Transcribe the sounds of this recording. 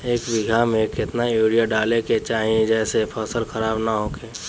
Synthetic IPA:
eːkʋɪɡʱamẽkɪt̪najuːɽijaɖaːleket͡ʃaːɦiẽd͡ʒɛːsepʰəsəlxəɾaːbnaɦoːkeː

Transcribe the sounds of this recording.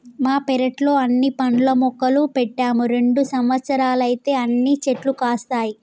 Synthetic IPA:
maːpɛɾɐʈlo̞ːɐnːipɐɳlɐmɔkːɐlupɛʈːaːmuɾe̞ɳɖusɐmʋɐt̪sɐɾaːlɐjit̪e̞ːɐnːit͡ʃeʈlukaːst̪aːji

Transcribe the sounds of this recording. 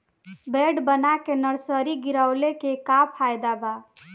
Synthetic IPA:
beɖbənakenəɾsəɾiɡiɾəʊlekekapʰajd̪aba

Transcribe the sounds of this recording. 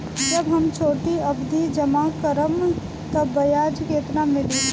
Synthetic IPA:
d͡ʒɐbɦɐmt͡ʃʰoːʈ̪iɐbd̪ʱid͡ʒəmakəɾəm | t̪ɐbɐjaːd͡ʒkeːt̪namɪli

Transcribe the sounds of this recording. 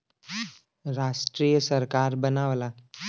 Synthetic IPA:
ɾaʂʈɾijəsəɾkaɾbənaʋla

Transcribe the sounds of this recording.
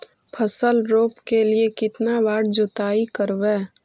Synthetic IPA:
pʰəsəlɾoːpkeliekɪt̪nabaːɽd͡ʒʊt̪aːikəɾʋeː

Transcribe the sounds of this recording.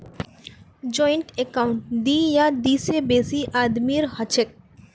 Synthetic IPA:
d͡ʒɔiɳʈekaʊɳʈd̪iːjad̪isebeːsiʔaːd̪miɾhɔt͡ʃʰek̚

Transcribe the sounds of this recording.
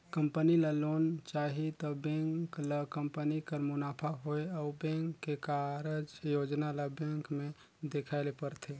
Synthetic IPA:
kəmpənilalont͡ʃaɦit̪ɔbẽŋklakəmpənikəɾmʊnapʰaɦoeabẽŋkːekaɾed͡ʒjod͡ʒnalabẽŋkme | d̪ekʰaɪlepəɾt̪ʰe

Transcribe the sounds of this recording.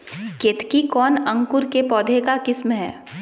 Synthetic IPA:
keːt̪ʰkikɔːnɐ̃ŋkʊɾkepɔːd̪ʱekakɪsmɦɛ̰ː

